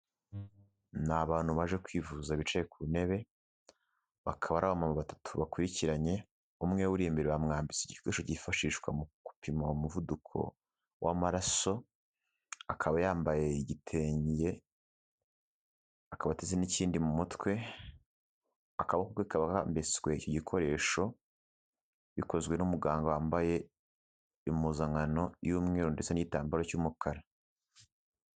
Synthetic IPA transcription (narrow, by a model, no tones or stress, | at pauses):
naβaːn̥huβaʒe̞kwiːvuzaβit͡ʃejekuuneβe̞ | βakʰaβaɾaβamamuβatḁtʰuβakuɾiciɾaɲe̞ | umŋe̞wuɾimbeɾeβamŋaːmbit͡seɟikweːʃoɟifaʃiːʃkwa̰muku̥pimaumuvudukʰo̞̰ | wʔamaɾaso̞ | akʰaβajaːmbaje̞iɟitʰe̞ːɲje̞ | akaβatezeniciːndimumutwe̞ | akaβakukwekaβaka̰mbesɡwe̞icoɟikʰo̞ɾe̞ːʃo̞ | βiko̞zɡwe̞numuɡaːŋɡowaːmbaje̞ | imuzaŋano̞juːmŋeːɾondet͡seniɟitaːmbaɾo̞cuːmukʰaɾa